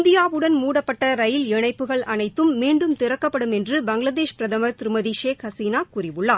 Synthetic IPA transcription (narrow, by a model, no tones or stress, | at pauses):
nd̪ɪjaːʋɯɽɐnmuːɽɐpːɐʈːɐɾɐjɪlɪɳɐɪpːɯɣɐɭɐnɐɪt̪ːɯmːiːɳɖɯmt̪ɪɾɐkːɐpːɐɽɯmɛndrɯbɐŋɡɭɐðeːʃpɪɾɐðɐmɐɾt̪ɪɾɯmɐðiʃeːkhɐsiːnaːkʊɾɪʋɯɭːaː